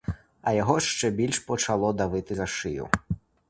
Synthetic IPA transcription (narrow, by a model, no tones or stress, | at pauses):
ɐjaɣɔʂt͡ʂɛbʲilʲʂpɔt͡ʂalˠɔd̪avɨt̪ɨɣaʂɨjṵ